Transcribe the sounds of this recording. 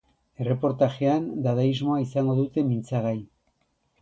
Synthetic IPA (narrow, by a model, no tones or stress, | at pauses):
e̞re̞po̞ɾt̪aʝeand̪aðaizmo̞aisaŋɡo̞ðut̪e̞mint͡saɣaj